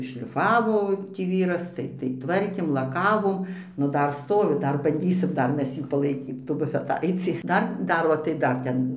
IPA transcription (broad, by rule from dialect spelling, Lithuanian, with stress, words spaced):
ʃʲlʲɪˈfɑːʋoː tʲiː ˈʋʲiːrɐs ˈtɐɪ tɐɪ ˈtʋɐrʲkʲeːm lˠɐˈkɑːʋoːm ˈnʊ ˈdɐr ˈstoːʋʲɪ ˈdɐr bɐnʲˈdʲiːsʲɪm ˈdɐr ˈmʲɛs ˈjiː pɐlˠɐɪˈkʲiːt tuː bʊfʲɛˈtɐɪt͡sʲiː ˈdɐr ˈdɐr oː tɐɪ ˈdɐr ˈtʲɛn